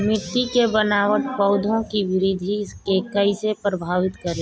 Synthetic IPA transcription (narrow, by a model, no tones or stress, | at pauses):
mɪt̪ikebənaːʋət̪pɐʊd̪ʱõkiʋɪɾiːd̪ʱikekəɪsepɾəbʱaːʋɪt̪kəɾe